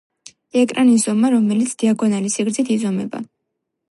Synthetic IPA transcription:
akʼɾanis̬ɔmːaɾɔmɛlit̪sʰd̪̥iaɡɔnalisiɡɾd̪zit̪ʰizɔmɛba̰

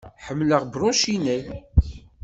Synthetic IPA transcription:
ħəmːləʁbɾuʃinæj

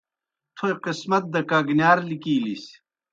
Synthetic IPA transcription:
t̪ʰoeqismɐt̪̚d̪ɐkaɡnjaːɾlikiːlis

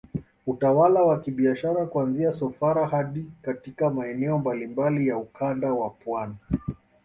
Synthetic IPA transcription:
utawalawakiɓiaʃaɾakuanziasɔfaɾaɦaɗikatikamaɛnɛɔmbalimbalijaukʰandawapwana

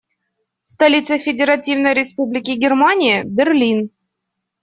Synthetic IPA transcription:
st̪ɐlʲit̪səfʲɪdʲɪɾɐtʲivnəjɾʲɪspublʲɪkʲɪɡʲɪrmanʲɪjəbʲɪrlʲin

